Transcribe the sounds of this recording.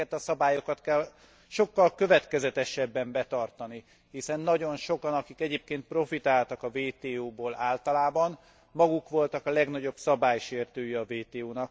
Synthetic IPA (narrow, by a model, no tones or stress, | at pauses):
ɛt̪ɒsɒbaːjo̞kɒt̪kɛl | ʃo̞kːɒlkø̞vɛt̪kɛzɛt̪ɛʃɛbːɛmbɛt̪ɒrt̪ɒni | hisɛnːɒɟo̞nʃo̞kɒnɒkikɛɟeːp̚keːnt̪̚pro̞fit̪aːlt̪ɒkɒveːt̪eːoːboːlaːlt̪ɒlaːbɒn | mɒɡukʋo̞lt̪ɒkɒlɛɡn̪ɒɟo̞bsɒbaːjʃeːrt̪øːjɛɒveːt̪eːoːnɒk